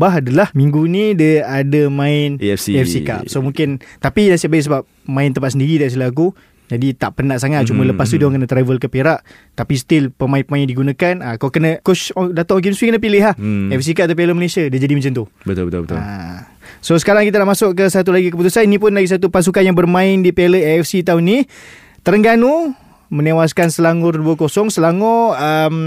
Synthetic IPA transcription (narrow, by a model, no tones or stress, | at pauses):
baɦadəlahmiŋɡunĩdəadamãɪnɛfsika̰p̚somũŋkɪnt̪apinasiʔbaɛʔsəbap̚ | mãɪnt̪əmpat̪səndiɾit̪aʔs̬t̪ilaak̬u | d͡ʒadit̪aʔpənaʔsaŋat̪̚t͡ʃumələpast̪udwaŋkənət̪ɾavəlkəpeɾaʔ | t̪apist̪ɪlpəmaɪnpəmaɪndiɡunakanakakənəkot͡ʃdat̪ɔʔok̬imswikənə̃pilɪɦahɛɛfs̬ikaʔat̪apeləməlesiadid͡ʒadimat͡ʃant̪ubət̪ʊ̰bət̪ṵlbət̪ | sosə̥kaɾaŋkit̪̬anaʔmasʊʔkəsat̪̬ulaɡik̬əput̪usaninĩp̬ʊnlaɡis̬at̪̬upas̬ukanjaŋbərmãɪndipeləɛɛfsit̪auni | t̪əɾəŋɡanu | mə̃newaskansəlaŋʊrduəkosɔŋsəlaŋɔəm